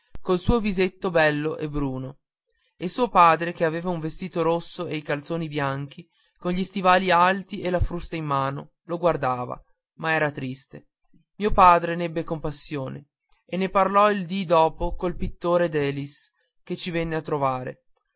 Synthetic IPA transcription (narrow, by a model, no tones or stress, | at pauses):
kolsuːovizet̪ːobɛlːoʔebɾuːno | elsuːopaːd̪ɾek̟eaveːvauɱvest̪iːt̪oɾosːoejkalt̪soːnibjaŋk̟i | konʎist̪ivaːlialt̪iʔelafɾust̪aimːaːno | loɡward̪aːva̰ | maɛːɾat̪ɾist̪e | miːopaːd̪ɾenɛbːekompasːjoːne | enːeparlɔild̪id̪ɔːpokolpit̪ːoːɾed̪ɛːlis | ket͡ʃivenːeat̪ːɾovaːɾḛ